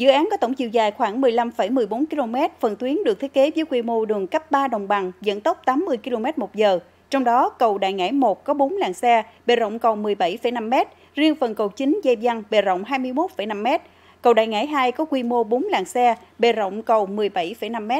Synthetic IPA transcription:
zɨ̰˧˨ʔaː˨˦nkɔ˨˦t̪ə˧˩wŋ͡mt͡ɕḭ˧˨wzaː˨˩jxwaː˧˩ŋmɨ˨˩əjla˧mfə˧˩jmɨ˨˩əjɓo˨˦nki˧lo˧mɛ˦˥t̚fə˨˩nt̪wi˨˦ənɗɨ˨˩k̪̚ʰt̚ke˨˦vəː˨˦jkwi˧mo˧ɗɨ˨˩əŋkə˦˥p̚ɓaː˧ɗə˨˩wŋ͡mɓa˨˩ŋzə̰˧˥˨nt̪ə˦˥p̚t̪aː˨˦mːɨ˧əjki˧lo˧mɛ˦˥t̚mo˨˩t̚zəː˨˩ | t͡ɕɔ˧wŋ͡mɗɔ˨˦kə˨˩wɗa̰ː˧˨jŋa̰ː˧˥jmo˨˩t̚kɔ˨˦ɓo˨˦nlaː˨˩ŋsɛ˧ɓe˨˩zə̰˧˨wŋ͡mkə˨˩wmɨ˨˩əjɓa˧˩jfə˧˩jna˧mːɛ˦˥t̚ | zi˧əŋfə˨˩nkə˨˩wt͡ɕï˨˦ŋzə˧jza˧ŋɓe˨˩zə̰˧˨wŋ͡mɦaː˧jmɨ˧əjmo˦˥t̚fə˧˩jna˧mːɛ˦˥t̚ | kə˨˩wɗa̰ː˧˨jŋa̰ː˧˥jɦaː˧jkɔ˨˦kwi˧mo˧ɓo˨˦nlaː˨˩ŋsɛ˧ɓe˨˩zə̰˧˨wŋ͡mkə˨˩wmɨ˨˩əjɓa˧˩jfə˧˩jna˧mːɛ˦˥t̚

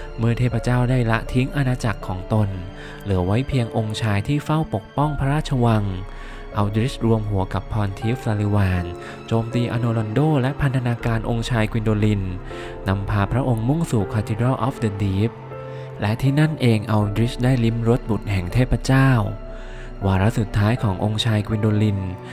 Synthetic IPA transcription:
mɯ˥˩t̪ʰeː˥˩pːɾa˧t͡ɕaː˥˩wdaː˥˩jla˦˥ʔt̪ʰi˦˥ŋʔa˧naː˧t͡ɕa˨˩kʰːɔː˩˦ŋt̪o˧n | lɯ˩˦wa˦˥jpʰi˧əŋʔo˧ŋt͡ɕʰaː˧jt̪ʰiː˥˩fa˥˩wpo˨˩k̚pɔ˥˩ŋpʰɾa˦ɾaː˥˩t̪̚t͡ɕʰa˧wa˧ŋ | ʔa˧wd̪ɾi˦˥sɾu˧əmɦu˩˦ɐka˨˩pʰːɔː˧nt̪ʰiː˦˥flaː˧li˧waː˧n | t͡ɕoː˧mt̪iː˧ʔa̰˧noː˧lɔ˧ndoː˥˩lɛ˦˥ʔpʰa˧nt̪ʰa˧naː˧kaː˧nʔo˧ŋt͡ɕʰaː˧jkʰwi˧ndoː˧li˧nː | a˧mpʰaː˧pʰɾa˦˥ʔo˧ŋmu˥˩ŋsuː˨˩kʰaː˧t̪ʰi˧ɾaː˥˩ʔɔː˦˥fdə˧diː˦˥p̚ | lɛ˦˥ʔt̪ʰiː˥˩na˥˩nʔeː˧ŋʔa˧wdɾi˦˥sdaː˥˩jli˦˥mɾo˦˥t̪̚bu˨˩t̪̚hɛ˨˩ŋt̪ʰeː˥˩t̪̚pʰːɾa˧t͡ɕaː˥˩w | waː˧ɾa˦˥ʔsu˨˩t̪ʰːaː˦˥jkʰɔː˩˦ŋʔo˧ŋt͡ɕʰaː˧jkʰwi˧ndoː˧li˧n

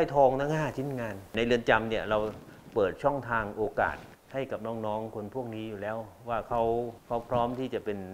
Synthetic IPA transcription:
a˥˩jt̪ʰɔː˧ŋt̪ʰaː˦˥˩ŋnaː˥˩t͡ɕʰi˦˥˩nŋaː˧nna˧jlɯ˧ənt͡ɕa˧mni˥˩ɐɾa˧wpɤː˨˩t̪̚t͡ɕʰɔ˥˩ŋt̪ʰaː˧ŋʔoː˧ka̰ː˨˩t̪̚ | ha˥˩jka˨˩p̚nɔː˦˥ŋnɔː˦˥ŋkʰo˧npʰu˥˩ək̚niː˦˥juː˨˩lɛː˦˥wwaː˥˩kʰa˦˥wkʰa˦˥wpʰɾɔː˦˥mt̪ʰiː˥˩t͡ɕa˨˩pe˧n

